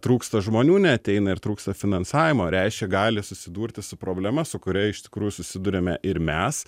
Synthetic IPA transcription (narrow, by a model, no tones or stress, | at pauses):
t̪ɾuːkst̪ɐʒmoːnʲuːnʲɛɐt̪ʲɛɪnɐɪɾt̪ɾuːkst̪ɐfʲɪnɐnsɑːʋʲɪmoːɾʲæɪʃʲkʲɛɡɑːlʲɪsʊsʲɪd̪uːɾʲt̪ʲɪsʊpɾoːbʲlʲɛmɐsʊkʊɾʲɛɪʃt̪ʲɪ̥kɾuːjʊsʊsʲɪd̪ʊɾʲemʲɛʔɪɾmʲɛs